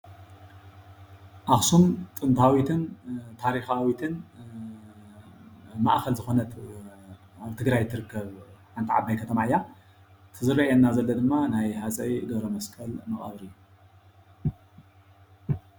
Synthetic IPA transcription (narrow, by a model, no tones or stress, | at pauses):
ʔaxsumt̪ʼɨnt̪ʰawit̪ʰɨnt̪ʰaɾixawit̪ʰɨn | ma̰ʔxɐlzɨxo̞nɐt̪ | aβt̪ʰɨɡɾajt̪ʰːɨɾɨkːɐβħant̪ʰiʕa̰bːajkʰɐt̪ʰɐmaʕjːa | t̪ʰɨzɨɾɐɐnːazɐlːɐd̪ɨmːanajhat͡sʼɐjɡɐβɾɐmɐskʼɐlmɨχʼɐ̰βɾɨjːu